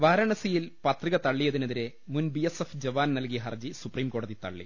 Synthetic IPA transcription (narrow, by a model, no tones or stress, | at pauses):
ʋaːɾɐɳɐsijilpɐt̪riɣɐt̪ɐɭːijeðineðiɾe̞ | munbiesefd͡ʑɐʋaːnnɐlkijɐɦɐrd͡ʑisupriːmko̞ːɽɐðit̪ɐ̰ɭːḭ